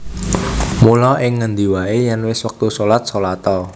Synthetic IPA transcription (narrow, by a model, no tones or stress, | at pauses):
mulɔʔɪŋːənd̪iwaejanwɪswək̚t̪usolat̪̚solat̪ɔ